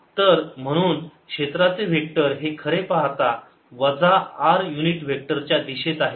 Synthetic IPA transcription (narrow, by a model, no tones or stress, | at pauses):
t̪əɾm̤əɽ̃uːnkʂet̪ɾat͡seʋ̤ʱek̚ʈəɾɦekʰəɾepaɦt̪a | ʋəd͡zaaɾjuniʈʋʱek̚ʈəɾt͡ɕjad̪iɕet̪aɦe